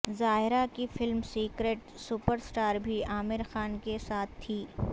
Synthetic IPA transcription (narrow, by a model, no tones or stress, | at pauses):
zaːɦɪɾakifɪlmsiːkɾeːʈ | sʊpəɾsʈaːɾbʱiaːmɪɾxaːnkesaːt̪ʰt̪ʰːiː